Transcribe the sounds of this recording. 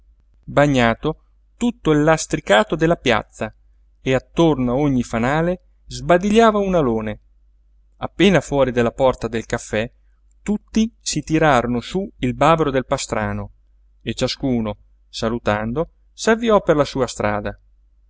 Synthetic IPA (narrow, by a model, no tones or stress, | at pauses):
baɲːaːt̪o | t̪ut̪ːoilːast̪ɾikaːt̪od̪elːapja̰t̪sːa | eat̪ːornoaoɲːifanaːle | zbad̪iʎːaːvaunaloːne | apːeːnafwɔːɾid̪elːapɔrt̪ad̪elkafːɛ | t̪ut̪ːisit̪iɾaːɾonosuilbaːbɾod̪elpast̪ɾaːno | et͡ʃaskuːno | salut̪and̪o | savːiɔperlasuːast̪ɾʔaːd̪a